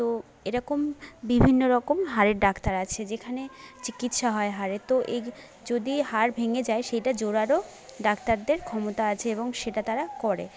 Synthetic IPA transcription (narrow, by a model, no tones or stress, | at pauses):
t̪o | eɾɔkombibʱinːoɾɔkomɦaɾeɾɖakt̪aɾat͡ɕʰed͡ʑekʰanet͡ɕikit̪ʃaɦɔeɦaɾet̪oʔe | d͡ʑod̪iɦaɾbʱeŋed͡ʑaeʃejʈad͡ʑoɾaɾo | ɖak̚t̪aɾd̪eɾkʰɔmot̪aat͡ɕʰeeboŋʃeʈat̪aɾakɔɾḛ